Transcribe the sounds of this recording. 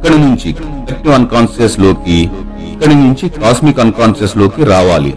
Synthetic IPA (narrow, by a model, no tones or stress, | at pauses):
kːɐɽinuɲt͡ʃik | ek̚ʈiʋɐnkaːnseslo̞ːki | ɐkːɐɽinuɲt͡ʃikaːsmikɐnkaːnseslo̞ːkiɾaːʋaːlḭ